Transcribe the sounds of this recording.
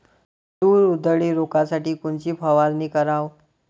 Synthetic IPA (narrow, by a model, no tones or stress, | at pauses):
t̪uːɾud̪ʱəɭiːɾokasaʈiːkunt͡ɕiːpʰəʋalniːkəɾaw